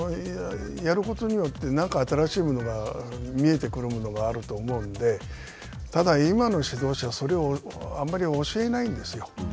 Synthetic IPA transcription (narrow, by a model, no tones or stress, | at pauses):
jaɾɯ̟ko̞t̪o̞ɲ̟ijo̞t̪ːe̞nãŋkaːt̪aɾaɕiːmo̞no̞ɡamʲie̞t̪e̞kɯ̟ɾɯ̟mono̞ɡaːɾɯ̟t̪o̞ːmo̞ɯ̟̃nd̪e̞ | t̪ad̪aimano̞ɕid̪o̞ːɕaβso̞ɾe̞o | amːaɾʲioɕie̞naĩnd̪e̞sɨjo̞